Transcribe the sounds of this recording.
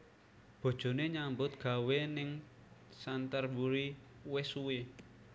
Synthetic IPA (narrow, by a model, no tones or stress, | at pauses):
b̥o̤d̥ʒ̥o̤neɲambʊt̪̚ɡ̥ä̤wenɪŋ | sant̪ərbuɾi | wɪsuwe